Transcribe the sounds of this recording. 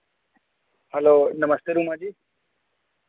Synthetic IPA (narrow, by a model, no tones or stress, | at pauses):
hɛlonəməst̪eɾumãd͡ʒiː